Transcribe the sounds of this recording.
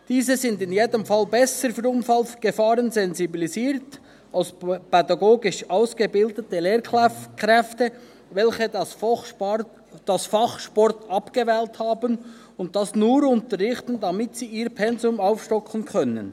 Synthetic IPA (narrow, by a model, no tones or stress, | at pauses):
d̥iːzəzɪndɪnjeːdəmfɑlbɛsəɾfyːɾʊnfɑlɡ̥əfɑːʁənzɛnzibiliziːɾt | aʊspɛdɑɡoːɡɪʃaʊsɡ̥əbɪldətəleːɾkʁɛkʁɛftə | vɛlçə | d̥ɑsfɑχʃpɔrtɑpɡ̥əvɛːlthɑːbən | ʊnt̚d̥ɑsnuːɾʊntəɾʁɪχtən̩dɑmɪtsiːiːɾpʰɛnzʊmaʊfʃtɔkʰənkʰœnə̰n